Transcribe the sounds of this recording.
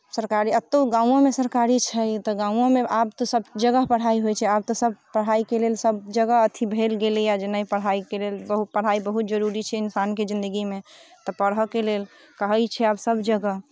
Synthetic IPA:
səɾkaɾiət̪ːoɡãũõmesəɾkaɾit͡ʃʰɛt̪ɔɡãũõmeabt̪ɔsəbd͡ʒəɡəɦpəɽ̤aiɦojt͡ʃʰɛab̚t̪ɔsəb̚pəɽ̤aikelelsəb̚d͡ʒəɡəət̪ʰibʱelɡelijad͡ʒenəipəɽ̤ɦaikelelbəɦut̪̚pəɽ̤aibəɦut̪̚d͡ʒəɾuɾit͡ʃʰɛɪnsanked͡ʒĩnd̪əɡimet̪ɔpəɽɦəkelel | kəɦəjt͡ʃʰɛabsəbd͡ʒəɡəɦ

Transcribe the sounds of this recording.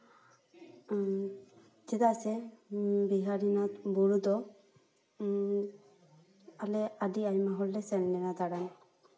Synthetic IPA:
d͡ʒɛd̪asɛ | biɦaɾinat̪buɽud̪ɔ | alɛadiajmaɦɔllɛsɛɾnɛnad̪aɽan

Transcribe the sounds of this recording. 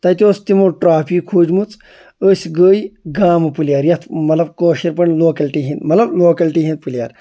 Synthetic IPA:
t̪ɐt̪ʲoːst̪imoʈɾaːpʰikʰːuːd͡ʒmut͡s | əsʲɡəːjɡaːmɨpɨlʲjaːɾjɐt̪ʰmɐt̪lɐb̚koːʃiɾpɐɳʲloːkɐlʈiːɦind̪mɐlɐbloːkɐlʈiɦin̚pɨlʲja̰ːɾ

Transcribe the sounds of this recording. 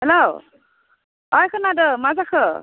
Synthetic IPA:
hɛlow | ɔjkʰɯnadɯmazakʰɯ

